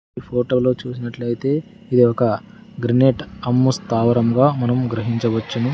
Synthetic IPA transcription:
ipʰoːʈo̞ːlo̞ːt͡ʃuːsinɐʈlɐjit̪e̞ː | id̪iɔkɐ | ɡɾineːʈɐmːust̪aːʋɐɾɐmɡaːmɐnɐmɡɾɐɦiɲt͡ʃɐʋɐt͡ʃːɐnu

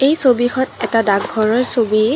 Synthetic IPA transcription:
ejsobixʰɔtɛtadaɡʱɔɹɔɹsobi

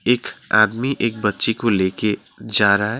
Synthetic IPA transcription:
eːka̰ːd̪miʔeːk̚bətːʃikoleke | d͡ʒaːɾaɦɛ

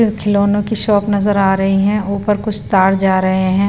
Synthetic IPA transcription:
kʰɪloːnõkiʃɔːpnɐzəɾaːɾɐɦiɦɛ̃ʊpəɾkʊt͡ʃʰst̪aːɾd͡ʒaːɾɐɦeɦɛ̃ː

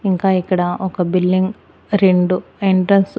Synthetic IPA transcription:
iŋkaːjikːɐɽɐʔokːɐbilːiŋɡ | ɾeɳɖueɳʈɾɐns

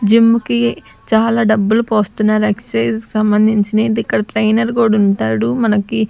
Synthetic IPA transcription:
d͡ʒimːuki | t͡ʃaːlaːɖɐbːulupo̞ːst̪unːaːɾɐkseːski̥sɐmbɐnd̪ʱiɲt͡ʃineːd̪ikːɐɽɐʈɾɐjnɐɾɡoːɖuɳʈaːɽumɐnɐki

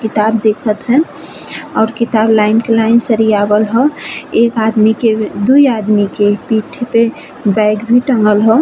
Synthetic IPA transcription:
kit̪abd̪ekʰət̪ɦɛ̃ | ɔːɾkit̪ablaɪnkelaɪnsəɾijabəlɦɔekad̪miked̪uiad̪mikepiʈʰpe | baɪɡbʱiʈəŋɡəlɦɔ

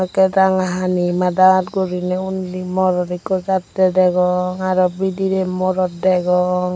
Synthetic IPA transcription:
kɛdaŋaɦanimadaatɡoɾinɛunlimɔɾɔɾikɔzatːɛdɛɡɔŋaɾɔbidiɾɛmɔɾɔt̚dɛɡɔŋ

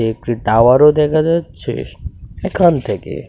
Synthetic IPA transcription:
ekɾiʈaʋaɾod̪ekʰad͡ʒat͡ʃʰḛekʰant̪ʰekḛ

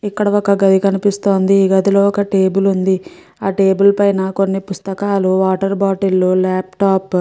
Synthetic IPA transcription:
ikːɐɽɐɔkɐɡɐd̪ikɐnipist̪o̞ːnd̪iːɡɐt̪ilo̞ːɔkɐʈe̞ːbulund̪i | aːʈe̞ːbulpɐjnɐko̞nːipust̪ɐkaːluʋaːʈɐɾbaːʈilːoːlaːpʈaːp

